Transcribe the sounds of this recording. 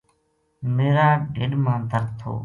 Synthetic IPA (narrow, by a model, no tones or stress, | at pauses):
meːɾaːɖeːɗmãːd̪ʱəɾt̪ʰːo̰ː